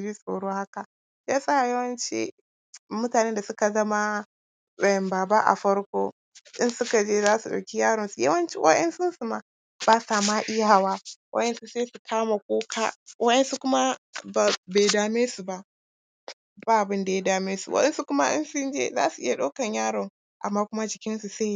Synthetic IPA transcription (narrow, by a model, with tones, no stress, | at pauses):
bi˦sʼo̰ː˨ɽoː˦ha˦ka˨˦ | a˦sʼa˦˨jɐ˦wɐ˦nt͡ʃḭ˦ | mʊ˦taː˨neː˦nda˨sʊ˦ka˨zɐ˦ma˦ | sɛ˨mbaː˨ba˦ʔa̰˨ɸɐ˦ɽkʷoː˦ | ʔɪ˦nsʊ˦ka˨d͡ʒeː˦zaː˦su˨ɗa̰˨kʲi˦jaː˦ɽɔ˨nsu˨jɐ̰˦wɐ˦nt͡ʃḭ˦wɐ˦ɗɐ˦nsʊ˦nsu˨ma˨ | b̥aː˦saː˨maː˦ʔɪ˦aa˨waː˦wʔɐ̰˦ʔɐ˦nsu˦seː˦su˨kʰaː˦ma˨kʷoː˦kʰa̰˦wʔɐ˦ɗɐ˦nsu˦kʷʊ˦ma˦ba˨be˨jdaː˨meː˦su˨ba˦ʔ | baː˦ʔa˨bɪ˦nda˨ja˦daː˦˨meː˦sṵ˨wɐ̰˦ɗɛ˦nsu˦kʷʊ˦ma˦ʔɪ̰˦nsʊ˦nd͡ʒḛ˦za̰ː˦su˨ʔɪ˦ja˨ɗo˦kɐ˨ɲjaː˦ɽɔ˨ŋ | ʔa̰˨mːaː˦kʷʊ˦ma˦d͡ʒɪ˨kʲɪ˦nsu˨se˦˨˦